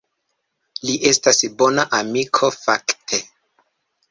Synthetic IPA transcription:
liʔe̞stasbo̞naʔamikʰo̞faktʰe̞

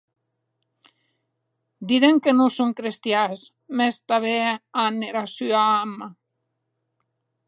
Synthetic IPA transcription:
d̪iðeŋkenosoŋkɾest̪jas | mɛst̪aβeaneɾasyaama

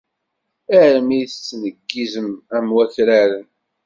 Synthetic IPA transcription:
æʕɾəmijθt͡sːnəɡːizəmæmwæθɾæɾən

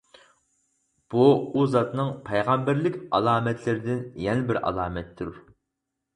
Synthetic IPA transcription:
b̥uuzɑt̪nɨŋpʰɛjʁɑmbæɾlɪkʲɑlˠɑːmɛt̪ʰlɪɾɪd̪ɪnjɛnɪbɪɾɑ̰lˠɑːmɛt̪ʰːuɾ

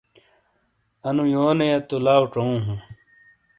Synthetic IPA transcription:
ɐnũjoːnejɐt̪olaːwʈ͡ʂoũɦũ

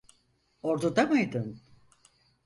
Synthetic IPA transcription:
oɾd̪ud̪amajd̪ɯn

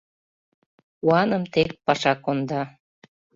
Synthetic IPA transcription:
uɑnəmt̪ek̚pɑʃɑkond̪ɑ

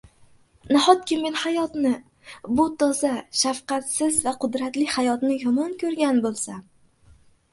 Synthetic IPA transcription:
nahɒt̪̚kʲʰɪme̞nhajɒt̪nɪ | bʊt̪ʰɒzaʃafqɑt̪sɪzvaqʰʊd̪ɾat̪lɪhajɒt̪nɪjɒmɒnkʲʰɵɾɡʲanbolˠsam

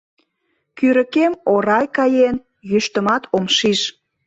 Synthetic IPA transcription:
kyɾə̆kemoɾɑjkɑjen | jyʃt̪ə̆mɑt̪ʰomʃiʃ

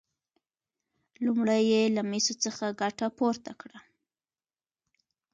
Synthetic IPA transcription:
lumɽajelamesot͡səxaɡaʈapoɾt̪akɽa

